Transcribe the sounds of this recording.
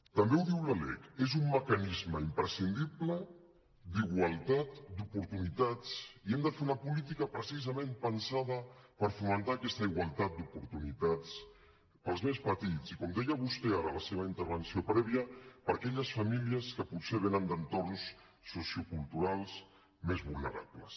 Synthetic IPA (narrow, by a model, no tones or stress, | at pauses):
t̪əmbewðiwləlɛ̰kezumːəkənizməimpɾəsind̪iplə | d̪iɣwalˠt̪at̪d̪upuɾt̪unit̪at͡siɛmd̪əfeɾunəpulit̪ikəpɾəsizəmẽmpənsaðəpəɾfumənt̪aːkɛst̪əiɣwalˠt̪at̪̚d̪upuɾt̪unit̪at͡s | pəlˠzmespət̪it͡sikɔmd̪ɛjəβust̪eaɾələseβ̞əint̪əɾβənsiopɾɛβ̞iəpəɾakɛʎəsfəmiliəskəputseβenənd̪ənt̪ornsː | osiukulˠt̪uɾalˠs | mezβulnə̰ɾa̰pləs